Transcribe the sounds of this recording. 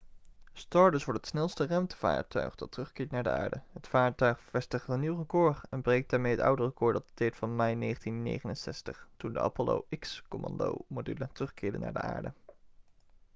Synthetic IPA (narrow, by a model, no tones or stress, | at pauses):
stɑːɹdəsʋɔɹtətsnɛlˠstərœɥmtəv̥a̰ːɹtœ̰ɥχd̥ɑtrɵχkɪːɹtnaːɹdə̰a̰ːɹdəɦətfaːɹtœɥχfɛstəχtəniwrəkʊːrɛnbrejk̚d̥aːɹmejɦətʌ̰wdərəkʊːɹdɑtətɛjɹtfɑnmɛjnejχəntinːḛjχənənsɛstəχtundəʔɑ̰polo̰wʔɪkskomɑ̰ndo̰wmodylətrɵχkɪːɹdə̰na̰ːdə̰a̰ːɹdə̰